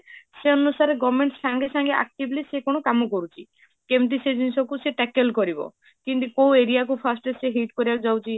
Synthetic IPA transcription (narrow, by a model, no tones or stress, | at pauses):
seɔnusaɾeɡɔmeɳʈssaŋɡesaŋɡeʔa̰k̚ʈiblisekɔɽ̃ɔkamɔkɔɾut͡ʃʰi | kemʈ̬ised͡ʒinisɔkuseʈɛkelkɔɾibɔ̰ | kiɳʈukoũeɾiakupʰasʈeseɦiʈkɔɾibakd͡ʒawt͡ʃʰi